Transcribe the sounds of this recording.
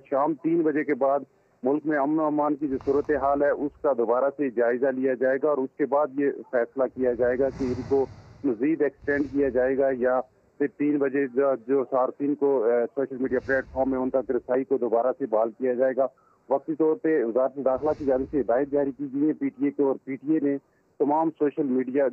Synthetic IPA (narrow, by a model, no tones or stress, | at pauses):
ʃaːmt̪iːnbɐd͡ʒekebaːd̪ | mʊlkmẽɐmnoamaːnkid͡ʒoːsuːɾət̪eɦaːlɦɛʔʊskad̪oːbaːɾased͡ʒaːɪzalijad͡ʒaːeːɡaɔːɾʊskebaːd̪jefɛːslakijad͡ʒaːeːɡakeɪnkomɐziːd̪ɛːksʈɛ̃ːɳɖkijad͡ʒaːeːɡaja | pʰɪɾt̪iːnbɐd͡ʒed͡ʒad͡ʒoːsaːɾt̪iːnkosoːʃəlmiːɖijaplɛːʈfʰɔːɾmɦɛ̃ʊnt̪ɐkɾɪsaːikod̪oːbaːɾasebaːlkijad͡ʒaːeːɡaː | ʋɐk̚t̪it̪ɔːɾpeʋɪzaːɾət̪ed̪aːxlakid͡ʒaːnɪbseɦɪd̪aːɪd̪̚d͡ʒaːɾikiːɡɐiɛ̃piːʈiekeɔːɾpiːʈienẽ | t̪ɐmaːmsoːʃəlmiːɖija